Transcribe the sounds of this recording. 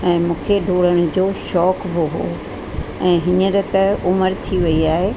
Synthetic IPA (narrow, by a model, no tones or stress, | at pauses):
ɛ̃ːmũːkʰeɖʱoːɽəɽ̃ʊ̆d͡ʑoːʃɔːkbɪɦoː | ɛ̃ːɦɪɲəɾɪ̆t̪ɐʊməɾt̪ʰiʋɐiaːɦe